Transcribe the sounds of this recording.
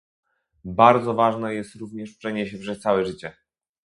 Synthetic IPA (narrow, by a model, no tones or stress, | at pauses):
baɾd̪zɔvaʐnɛjɛst̪ɾuvɲɛʂpʂɛɲɛɕɛpʂɛst̪sawɛʐɘt͡ɕɛ